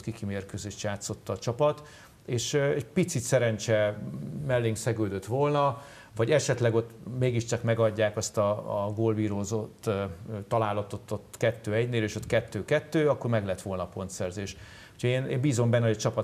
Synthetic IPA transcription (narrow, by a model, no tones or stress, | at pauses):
t̪kikimeːrkøzeːʃjaːt̪so̞t̪ːɒːt͡ʃɒpɒt̪ | eːʃɛɟpit̪sit̪sɛɾɛnt͡ʃɛmɛlːeːŋksɛɡøːd̪øt̪ʋo̞lnɒ | vɒɟɛʃɛt̪lɛɡo̞t̪meːɡiʃt͡ʃɒkmɛɡɒɟːaːkɒst̪ɒɡoːlviːɾoːzot̪ːt̪ɒlaːlɒt̪o̞t̪ːot̪ːkɛt̪ːøːɛɟneːleːʃo̞t̪kɛt̪ːøːkɛt̪ːøːɒkːo̞rmɛɡlɛt̪ʋo̞lnɒːpo̞nt̪sɛrzeːʃ | ucʰɒeːneːmbiːzo̞mbɛnːɛoɟɒt͡ʃɒpɒ